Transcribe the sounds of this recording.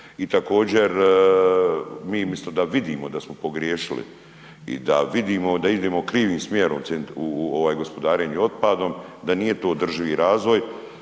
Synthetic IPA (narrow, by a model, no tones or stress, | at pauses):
it̪ako̞ːd͡ʑe̞ɾ | miːmist̪od̪aʋid̪iːmo̞d̪asmopo̞ɡɾjeːʃilḭ | ḭd̪a̰ʋid̪iːmo̞d̪aid̪eːmokɾiːʋiːmsmjeːɾomenuoʋaːjɡo̞spo̞d̪aːɾeɲuo̞t̪̚pad̪o̞md̪anije̞t̪o̞ːd̪r̩ʒiʋiːɾaːzʋo̞j